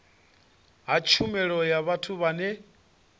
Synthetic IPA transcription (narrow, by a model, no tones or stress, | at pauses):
ɦat͡ʃʰumɛɺɔjaβatʰuβanɛ